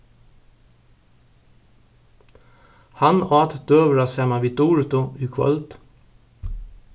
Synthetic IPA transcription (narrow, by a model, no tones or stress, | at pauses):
hɑnɑːt̪d̪̥øːʋɹɑsɛmɑʋit̪uːɹt̪ʊʉːkʰʋɔ̰lt̪